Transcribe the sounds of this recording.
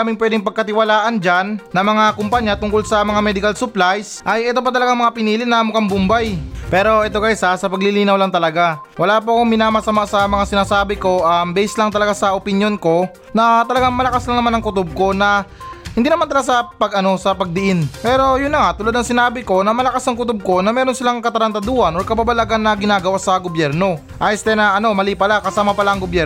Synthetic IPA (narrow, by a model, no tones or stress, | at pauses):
amɪŋpwɛːd̪ɪŋpɐɡ̚kɐt̪ɪwɐlaːʔɐnd͡ʒanːɐŋmɐŋakʊmpɐɲːat̪ʊŋkolsɐmɐŋamɛːd̪ɪkɐlsʊplajsʔɐjʔɛt̪o̞p̬ɐt̪ɐlɐɡaŋmɐŋapɪniːlɪnɐʔmʊkɐŋbʊmbajpɛːɾo̞ʔɛt̪̬o̞kɐjsasɐpɐɡlɪliːnɐwlɐŋt̪ɐlɐɡa | wʔɐlaːpʊɐkoŋmɪnaːmɐsɐmaʔsɐmɐŋasɪnaːsaːbɪko̞ʔɐmbɛsɪslɐŋt̪ɐlɐɡasɐʔopɪnjo̞nko̞ | nɐt̪ɐlɐɡaŋmɐlɐkaslɐŋnɐmanɐŋkʊt̪ʊb̚ko̞nɐhɪnd̪iːnɐmant̪ɐlɐɡasɐpɐɡʔɐno̞sɐpɐɡ̚d̪ɪʔɪnpɛːɾo̞jʊnlɐŋaʔt̪ʊlad̪ɐŋsɪnaːbɪko̞nɐmɐlɐkasɐŋkʊt̪ʊb̚ko̞nɐmɛːɾo̞nsɪlaŋkɐt̪ɐɾɐnt̪ɐd̪uːhɐnʔoɾkɐbabɐlaɡanːɐɡɪnaːɡɐwasɐɡobjɛɾno̞ | ʔajɪst̪ɛnɐʔɐno̞mɐliːpɐlakɐsaːmɐpɐlaʔɐŋɡobjɛ